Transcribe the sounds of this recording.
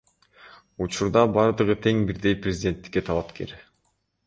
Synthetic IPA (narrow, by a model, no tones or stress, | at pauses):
ut͡ʃuɾd̪ɑbɑɾd̪ɯʁɯt̪ʰe̞ŋbiɾd̪e̞jprʲɪzʲɪd̪ʲe̞nt̪ːi̥kːe̞t̪ʰɑlˠɑpke̞̰ɾ